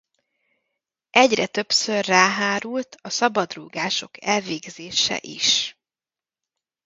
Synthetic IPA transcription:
ʔɛɟrɛt̪ø̞psørːaːɦaːɾult̪ɒsɒbɒd̪ruːɡaːʃo̞̰kʰɛlveːɡzeːʃɛ̰ʔiʃ

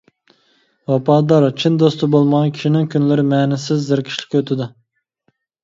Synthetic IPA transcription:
wɑpʰɑːd̪ɑɾt͡ʃʰind̪ost̪ɨbolˠmɑʁɑkʲʰi̥ʃinɪŋkʲʰynlɪɾɪmɛːnɪsɪzːɪɾkʲʰi̥ʃlʲɪ̥kʲøt̪ʰɪd̪u

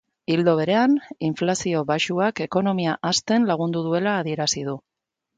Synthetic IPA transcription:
ild̪o̞β̞e̞ɾe̞aniɱflasio̞βaʃuake̞ko̞no̞miaʔast̪e̞nlaɣ̞und̪uðue̞laːðie̞ɾasið̞u

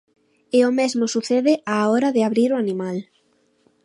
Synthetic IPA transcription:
ɪomezmʊsuθeðɪʔaɔɾaðɪaβɾiɾoanimal

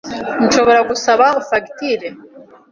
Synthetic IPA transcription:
nʃo̞βo̞ɾaɡusaβaufakitiɾe

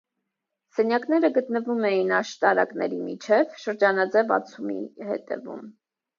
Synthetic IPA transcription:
sɛnjɑknɛɾəɡət̪nəvumɛjinɑʃt̪ɑɾɑ̰knɛɾimit͡ʃʰɛvʃəɾd͡ʒɑnɑd͡zɛvɑ̰t͡sʰumḭhɛ̰t̪ɛ̰vṵm

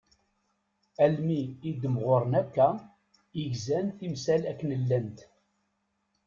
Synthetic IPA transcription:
ælmiːd̪əmʁʊɾˤənækːæ | jəʝzænθimsælækːənəlːænt̪

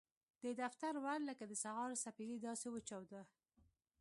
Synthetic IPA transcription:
d̪̥əd̪aft̪aɾwalləkad̪əsaɣɑɾsapiɾid̪ɑsewət͡ʃɑwd̪ə

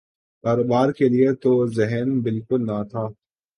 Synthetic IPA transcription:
kaːɾoːbaːɾkeliet̪ozɛɦɛnbɪlkʊlnat̪ʰaː

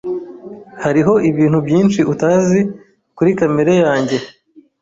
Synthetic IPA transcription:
haɾiɦo̞ʔiβiːn̥hubjiːnʃiutaːzi | kuɾikameɾejaːɲɟe̞

